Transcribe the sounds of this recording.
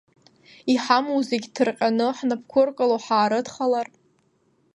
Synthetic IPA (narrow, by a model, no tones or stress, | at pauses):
iħamuwzeɡʲtʰɨrqʲʼanɨħnapʰkʷʰʊrkʼaloħaːɾɨdχalar